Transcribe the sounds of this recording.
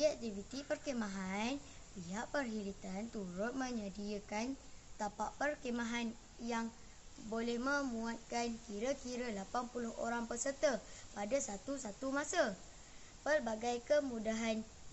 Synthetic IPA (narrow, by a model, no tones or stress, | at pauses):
iɛk̚t̪ivit̪ipərkemãɦan | piɦaʔpərɦilit̪ant̪uɾʊt̪̚mə̃ɲadiakant̪apaʔpərkemãɦan | jaŋ | bolɛhmə̃mũat̪̚kankiɾəkiɾəlapanpulʊho̰ɾaŋpəsərt̪əpadasat̪usat̪umasə | pərbaɡajkəmũdaɦan